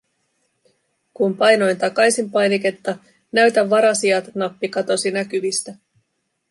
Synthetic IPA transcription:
kumpɑjno̞jnt̪ɑkɑjsimpɑjnike̞t̪ːɑ | næɥt̪æʋːɑɾɑsiɑt̪nɑpːikɑt̪o̞sinækyʋist̪æ

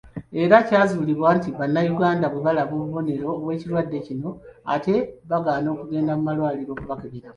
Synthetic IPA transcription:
e̞ɾacaːzuliβwaːntiβanːajuɡaːndaβuβalaβoːβuβo̞ne̞ɾo̞ːβwe̞ːciɾwadːe̞cino̞a̰te̞βaɡaːno̞ːkuɡe̞ːndamumalwaːliɾo̞ːkuβakeβiɾamu

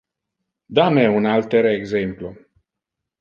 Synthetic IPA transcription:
d̪ameunalt̪eɾeɡzemplo

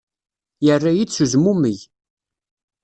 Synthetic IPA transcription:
jərːajid̪t͡sːuzmuməj

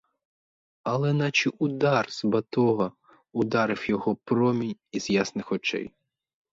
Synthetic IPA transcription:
ɐlˠɛnɑt͡ʃiʔʊd̪ɑrz̥bɐt̪ɔɦɐ | ʊd̪ɑɾɪwjɔɦɔpɾɔmʲinʲiz̥jasnɪxɔt͡ʃɛ̰j

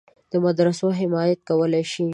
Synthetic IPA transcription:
d̪̥əmad̪ɾasoɦɪmɑjat̪̚kawəlajʃi

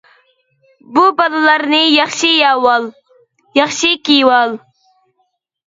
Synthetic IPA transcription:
bubəlːaɾnijɑχʃijawal | jɑχʃikiwal

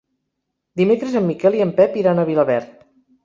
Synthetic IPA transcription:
d̪imekɾəzəmːikɛlˠiəmpɛpiɾanəβiləβɛɾt̪̚

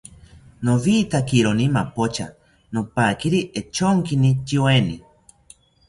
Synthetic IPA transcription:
noβit̪akiɾonimapot͡ʃʰa̰ | nopakiɾiʔet͡ʃʰoŋkinit͡ʃiweni

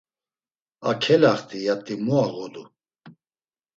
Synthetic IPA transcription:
akʰɛlaχt̪ʰʼijat̪ʼimɔaɣɔd̪u

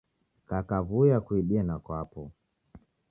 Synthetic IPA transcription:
kakavujakuiɗianakwapɔ

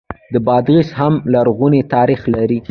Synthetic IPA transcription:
d̪əbɑd̪ɣishamlaɾɣunet̪ɑɾixlaɾi

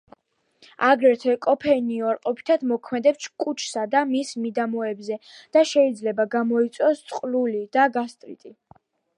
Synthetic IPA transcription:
aɡɾɛɾt̪ʰɛkʼɔpʰɛiniaɾqʼɔpʰi̥t̪ʰad̪mɔkʰmɛd̪ɛpʃkʼut͡ʃʰsad̪amismid̪amɔɛbzɛd̪̥aʃɛid̪zlɛbaɡamɔit̪sʼɔst̪sʼqʼlulid̪̥aɡast̪ʼɾḭt̪ʼi

